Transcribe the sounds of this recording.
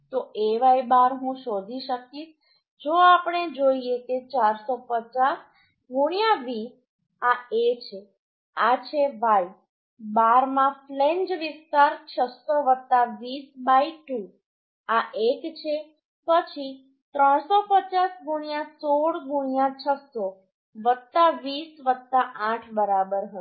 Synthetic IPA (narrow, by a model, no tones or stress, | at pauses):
t̪oʔeʋaibaɾɦũʃod̪ʱiʃəkiʃ | d͡ʒoapɳ̃ed͡ʒoieket͡ʃaɾsopət͡ʃas | ɡʱuɽ̃ijãʋis | aet͡ʃʰe | at͡ʃʰeʋaj | baɾmãflend͡ʒʋist̪aɾt͡ʃʰəsoʋət̪ːaʋisbaiʈu | aʔekt͡ʃʰe | pət͡ʃʰi | t̪ɾəɳ̃sopət͡ʃasɡʱuɽ̃ijãsoɽɡʱuɳ̃ijãt͡ʃʰəso | ʋət̪ːaʋisʋət̪ːaʔãʈʰbəɾabəɾɦə